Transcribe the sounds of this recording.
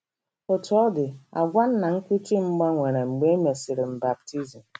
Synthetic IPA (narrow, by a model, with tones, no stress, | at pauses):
ʊ˨tʊ˦ɔ˦dɪ˨a̰˨ɡʷa˦n̩˦na˨ŋ̩˦kʷu˦ti˦m̩˦ɡ͡ba˦ŋʷe˨ɾe˨ŋ͡m̩˨ɡ͡be˦me˨sɪ˨ɾɪ˨m̩˨ba˨p̚ti˦zi˨m̩˨